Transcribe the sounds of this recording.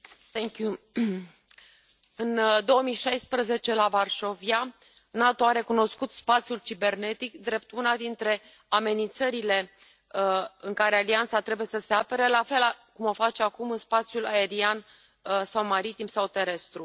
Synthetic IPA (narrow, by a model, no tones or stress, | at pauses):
t̪ɛŋkju | ɨnd̪o̞wəmiʃajspɾəze̞t͡ʃe̞lavarʃo̞via | nat̪oaɾe̞kuno̞skut̪spat̪sijult͡ʃibe̞rne̞t̪ikd̪ɾe̞p̚t̪ʰunad̪int̪ɾe̞ | ame̞nint̪səɾile̞ | ɨŋkaɾe̞aliant̪sat̪ɾe̞buje̞səse̞apeɾəlafe̞lakumo̞fat͡ʃeakumɨnspat̪sjulae̞ɾian | sawmaɾit̪imsawt̪e̞ɾe̞st̪ɾu